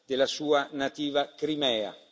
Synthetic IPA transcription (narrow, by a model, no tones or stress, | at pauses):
d̪̥elːasuːanat̪iːvakɾimɛːa̰